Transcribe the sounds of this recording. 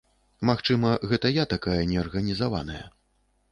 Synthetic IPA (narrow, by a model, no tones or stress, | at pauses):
maxt͡ʂɨmɐɣɛt̪ɐjat̪akajɐnʲɛɐrɣɐnʲizava̰nɐjɐ̰